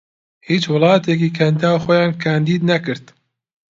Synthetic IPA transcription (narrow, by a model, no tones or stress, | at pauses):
hiːt͡ʃwɨlˠɑːt̪ek̬iːkʰɛnd̪aːwxɔjɑːnkʰaːnd̪iːd̪nɛkɨɾt̪